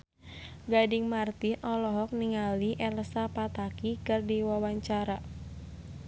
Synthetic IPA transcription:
ɡadɪŋmart̪inʔɔlɔɦɔk̚niŋaliʔɛlsapat̪akikɨrdiwawaɲt͡ʃaɾa

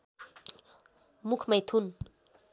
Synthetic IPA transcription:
mukʰməjt̪ʰun

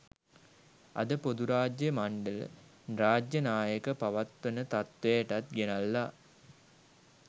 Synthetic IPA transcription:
ɐ̰d̪əpod̪uɾaːd͡ʒjəmaɳɖəl̰ | raːd͡ʒjɐnaːjəkəpɐʋɐt̪ʋənət̪at̪ʋejʈɐt̪̚ɡenalːa

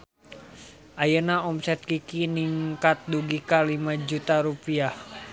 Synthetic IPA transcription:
ʔajənaɔmsɛt̪̚kikiniŋkat̪̚duɡikalimad͡ʒut̪aɾupiah

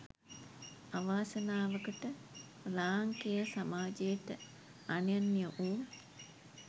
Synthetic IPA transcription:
aʋaːsənaːʋəkəʈə | laːŋkejəsamaːd͡ʒejəʈə | anjanːijəʔuː

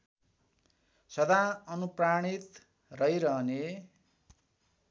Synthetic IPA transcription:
sʌd̪aʌnupraɽ̃it̪ | rʌjɾʌɦʌne

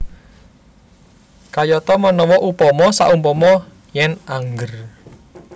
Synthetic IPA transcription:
kajɔt̪ɔmɔnɔwɔʔupɔmɔsa̰ʔumpɔmɔ | jɛnaŋɡər

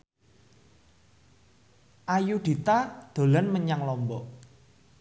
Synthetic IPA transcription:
ʔajuɖ̪̥i̤t̪ad̪̥o̤lanməɲaŋlɔmbɔʔ

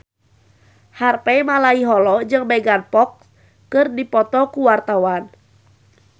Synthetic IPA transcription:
harpɛmalaiɦɔlɔd͡ʒɨŋbɛɡanpɔk̚s | kɨrdipɔt̪ɔkuwart̪awan

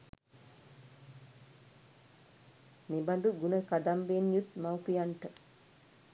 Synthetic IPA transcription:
neband̪uɡunəkad̪ambeːnjut̪mawpijaɳʈə

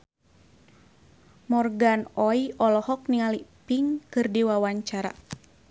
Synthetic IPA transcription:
mɔrɡanɔjʔɔlɔhɔk̚niŋalipiŋkɨrdiwawaɲt͡ʃaɾa̰

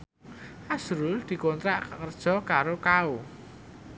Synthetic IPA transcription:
ʔasɾuld̪̥i̤kɔnt̪ɾaʔkakərd̥ʒ̥ɔ̤kaɾokao

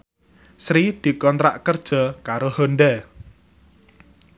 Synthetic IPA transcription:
sɾid̪̥i̤kɔnt̪ɾa̰ʔkərd̥ʒ̥ɔ̤kaɾohonɖɛ

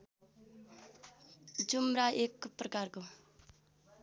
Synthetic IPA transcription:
d͡ʒumɾaʔekprʌkaɾko

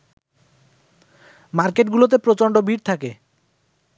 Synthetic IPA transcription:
maɾkeʈɡulot̪̬epɾot͡ɕoɳɖobʱiɾt̪ʰake

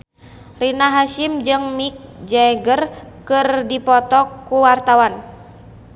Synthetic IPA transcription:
rinaɦaʃimd͡ʒɨŋmik̚d͡ʒɛɡərkɨrdipɔt̪ɔkːuwart̪awan

